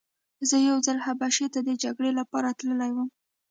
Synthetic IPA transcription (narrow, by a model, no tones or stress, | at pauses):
zəjawzalhabaʃet̪ad̪əd͡ʒaɡɽelapɑɾat̪ləlajwəm